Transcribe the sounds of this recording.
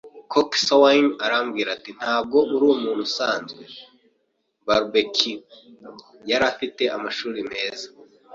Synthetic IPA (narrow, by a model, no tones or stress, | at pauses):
kʰoksawanaɾamɡiːɾatin̥aːb̚ɡo̞ʔuɾumuːn̥usaːnzɡwe̞ | baɾbekʰi | jaɾafite̞ʔamaʃuːɾime̞ːzḁ